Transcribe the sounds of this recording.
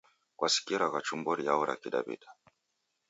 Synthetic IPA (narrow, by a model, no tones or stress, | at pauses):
kwasi̥kiɾaɣat͡ʃumbɔɾijaɔɾa̰kiɗa̰bḭɗa